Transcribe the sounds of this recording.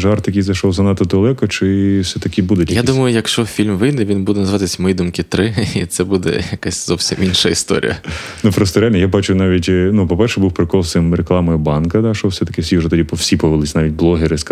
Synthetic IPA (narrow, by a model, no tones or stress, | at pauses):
ʒɑrt̪jɐkʲijzɐjʃɔwzɐnɑt̪ːɔd̪ɐlˠɛkɔt͡ʃɪwsɛt̪ɐkʲɪbud̪ʊtʲjjad̪umɐjʊjɐkʃt͡ʃɔfʲilʲmʋɪjnɛʋʲinbud̪ɛnɐzɪʋɑt̪ɪsʲɐmɔjid̪umkɪt̪ɾɪit̪sɛbud̪ɛ̰jɐkasʲzɔwsʲiminʃɐist̪ɔ̰ɾʲḭjɐ̰ | nupɾɔst̪ɔɾealʲnjabɑt͡ʃʊnɑʋʲitʲːnupɔpɛrʃɛbuwpɾɪkɔlˠsɪmɾeklˠɑmɔjɪbɑnkɐd̪ɑʃɔwsɛt̪ɐ̥kɪsʲiʊʒɛt̪ɔdʲipɔwsʲipɔʋelˠɪsʲnɑʋʲit̚ʲblˠɔɦeɾɪsk